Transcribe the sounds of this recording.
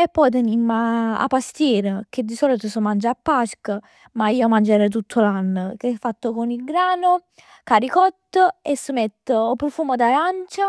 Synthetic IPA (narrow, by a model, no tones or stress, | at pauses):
epːɔjt̪̬enimːaa̰pːast̪jɛːɾək̟ed̪ːisɔːlit̪osomand͡ʒapːaskə | maiːomand͡ʒeɾɛt̪̬ut̪ʰːolanːəkefːat̪ːokonilɡɾaːno | kaɾikɔt̪ːəesːəmɛt̪ːəːpːɾofuːmod̪aɾant͡ʃa